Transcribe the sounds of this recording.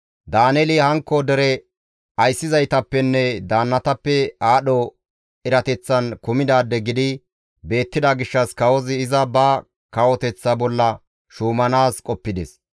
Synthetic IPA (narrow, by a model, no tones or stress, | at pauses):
d̪aːnɛlɪhɐŋkːɔd̪ɛɾɛ | ɐjsːɪzɐjt̪ɐpːɛnːɛd̪aːnːɐt̪ɐpːɛaːɗɔ | ɪɾɐt̪ɛt͡sːɐnkʊmɪd̪aːd̪ːɛɡɪd̪ɪ | be̞ːt̪ːɪd̪ɐɡɪʃːɐskɐwɔzɪːzɐbɐ | kɐwɔt̪ɛt͡sːɐbɔlːɐ | ʃuːmɐnaːskʼɔpːɪd̪ɛs